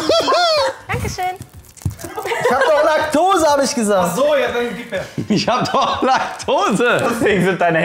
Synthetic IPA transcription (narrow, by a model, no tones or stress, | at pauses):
d̥aŋkəʃøːn | ɪçhaːbdɔχlak̚tʰoːzəhaːbəɪçɡ̥əzaːzojɛɛdifɛɪçhaːbəd̥ɔχχlaktʰoːzəeɡzɪntd̥aɪnə